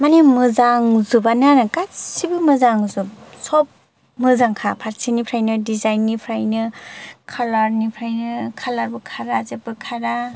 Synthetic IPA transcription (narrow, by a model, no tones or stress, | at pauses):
manemɯzaŋzubananɯkasibɯmɯzaŋzup̚sɔp̚ | mɯzaŋkʰapʰaɾsʰinipʰɾajnɯdizajnːipʰɾajnɯkʰalaɾnipʰɾajnɯkʰalaɾbɯkʰaɾazep̚bɯkʰaɾa